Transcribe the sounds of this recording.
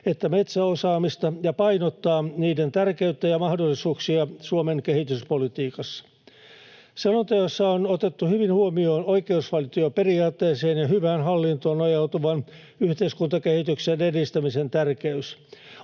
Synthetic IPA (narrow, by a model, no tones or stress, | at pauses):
et̪ːæmet̪sæosɑːmist̪ɑjɑpɑinot̪ːɑːniːdent̪ærkeyt̪ːæjɑmɑhdolːisuːksiɑsuomeŋkehit̪yspolit̪iːkɑsːɑ̥ | selːont̪ɑjosːɑonot̪et̪ːuhyʋinhuomioːnoikeusʋɑlt̪oɑperiɑːt̪ːeːseːnjɑɦyʋæːnɦɑlːint̪oːnɑjɑut̪uʋɑn | yht̪eiskunt̪ɑkehit̪yksenedist̪æmisent̪ærkeys